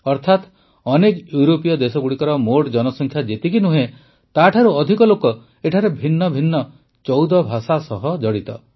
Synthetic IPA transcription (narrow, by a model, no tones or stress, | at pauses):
ɔɾt̪ʰat̪ | ɔnekjuɾopijɔd̪esɔɡuɽikɔɾɔmoɖd͡ʒɔnɔsɔŋkʰjad͡ʒet̪ikinuɦe | t̪aʈʰaɾuɔd̪ʱikɔlokɔ | eʈʰaɾebʱinːɔbʱinːɔ | t͡ʃɔwd̪ɔbʱasasɔɦɔd͡ʒɔɽit̪ɔ̰